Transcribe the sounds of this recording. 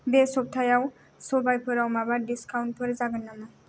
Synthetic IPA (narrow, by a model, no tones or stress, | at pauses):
besob̚t̪ʰajaw | sobajpʰɔɾawmabaɾɖiskawnʈ̚pʰɔɾezaɡanːama